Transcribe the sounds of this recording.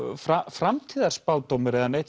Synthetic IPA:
fɾafɾamt̪ʰiːðaɾ̥spaːwt̪owmɪɾɛðaneht̪

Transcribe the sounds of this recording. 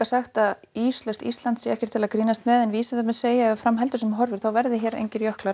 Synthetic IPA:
ḁsaxt̪að | iːslœwst̪ḭst̪lant̪sjɛɛhcɛɾ̥t̪ʰɪlaðkɾiːnast̪mɛːðɛnviːsaðamɛðseːjaɛvafɾamɦɛlt̪ʏsɛmɦɔɾvɪɾ̥θawvɛɾðɪçɛːɾḛjɲcɪɾjœhklaɾ

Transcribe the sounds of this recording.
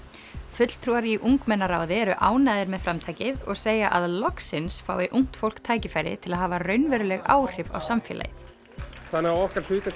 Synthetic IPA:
fʏt̪l̥t̪ʰɾuːaɾiʔuŋkmɛnːaɾaːwðɪɛɾʏʔaːwnaːðɪɾmɛðfɾamt̪ʰaːjcɪðɔ̰ɣseːjaʔaðlɔksɪnsfa̰ːwvɪʔuŋ̥t̪fowl̥kt̪ʰaːjcɪfaːjɾɪ̰t̪ʰɪlaðɦaːvarœɥnvɛɾʏlɛɣa̰ːwr̥ɪva̰wsamfjɛ̰lʔa̰jɪθ | θanːɪɣaɔhkaɾ̥l̥ʏːt̪ɪ

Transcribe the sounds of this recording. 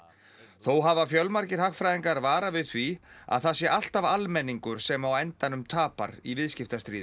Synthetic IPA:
θowɦavafjœlmaɾcɪɾ̥haxfɾajðiŋkaɾvaːɾavɪðθvia̰ðθasjɛʔal̥t̪avalmɛnːiŋkʏɾ̥sɛmawɛnt̪anʏmt̪ʰaːpa̰ɾivɪðscɪft̪ast̪ɾiːðɪ

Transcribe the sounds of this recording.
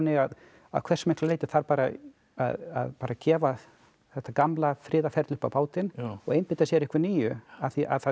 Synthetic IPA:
nːɪɣað | a̰ðkʰvɛ̥smehkllejt̪ɪ̥θaɾpaːɾa | a̰ða̰ðpaːɾacɛːva | θɛht̪ːakamlafɾɪːðafɛɾt̪lʏhpawpaːwt̪ɪnɔɣejmpɪt̪asjɛɾɪhkvɪniːjʏaθiʔa̰ðθa

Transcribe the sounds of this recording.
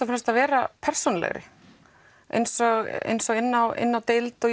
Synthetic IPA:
afɪnast̪avɛːɾapʰɛr̥sunlɛ̰ɣɾɪ̰ | ḛjnsɔɣḛjnsɔɣɪnːawɪ̰nːawt̪ɪlt̪ɔ

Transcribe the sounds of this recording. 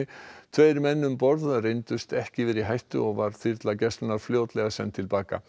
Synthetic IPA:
ɪt̪ʰvejɾmɛnːʏmpɔɾðrejnt̪ʏst̪ɛhcɪvɪɾiɦajht̪ʏ̰ɔɣvaɾ̥θiɾt̪lacɛst̪naɾ̥fljoːwt̪lɛɣasɛnt̪ʰɪlpaːka̰

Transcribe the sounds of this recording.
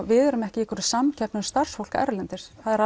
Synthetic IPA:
vɪðɛɾʏmɛhcɪikʰvʏɾʏ̥samcʰɛpnʏmst̪ar̥sfowl̥ka̰ʔɛ̰ɾlɛnt̪ɪɾ̥aðɛɾa

